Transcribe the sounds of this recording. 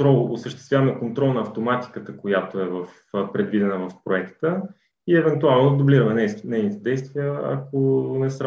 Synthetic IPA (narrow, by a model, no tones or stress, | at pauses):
ɾɔlˠosəʃt̪ɛst̪vʲjavəmɛkont̪ɾɔlˠnɐːft̪omat̪i̥kət̪əkojat̪oɛvəf | pɾɛd̪vid̪ɛnəvəfpɾoɛkt̪ə | iɛvɛnt̪ualˠnod̪ʊbliɾəvɛnnɛjnit̪ɛd̪ɛjst̪viəɐ̰konɛsɾ